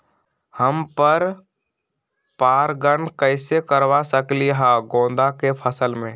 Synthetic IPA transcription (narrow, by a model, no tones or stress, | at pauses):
həmpəɾ | paːɾɡəɳkəɪsekəɾwasəkliɦaːɡõːn̆d̪akepʰəsəlmẽː